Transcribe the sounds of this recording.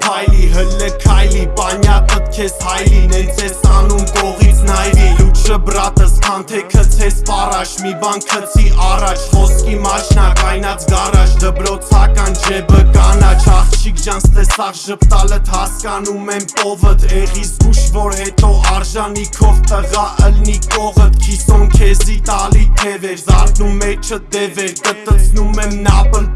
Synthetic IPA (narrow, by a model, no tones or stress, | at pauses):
kʰɑjliɦəlːəkʰɑjlipɑnjɑt̪ət̪kʰɛshɑjlinɛt͡sʰɛsɑnumkɔʁit͡sʰnɑjɾijut͡ʃʰəbrɑt̪əskʰɑnt̪ʰɛkʰət͡sʰɛspɑrɑt͡ʃʰmibɑnkʰət͡sʰiʔɑrɑt͡ʃʰhɔskimɑt͡ʃʰnɑkɑjnɑt͡sʰɡɑrɑt͡ʃʰd̪əbɾɔt͡sʰɑkɑnd͡ʒʰɛbəkɑnɑt͡ʃʰɑχt͡ʃʰikd͡ʒɑnt͡sʰt̪ɛsɑʁʃəpt̪ɑlət̪hɑskɑnumɛmkɔvət̪ʰɛʁisɡuʃvɔɾɦɛt̪ɔɑɾʒɑnikʰɔvt̪əʁɑʔəlnikɔʁət̪kʰisɔnkʰɛzit̪ɑlit̪ʰɛvɛɾzɑɾd̪numɛt͡ʃʰəd̪ɛvɛɾkət̪ət͡sʰnumɛmnɑpən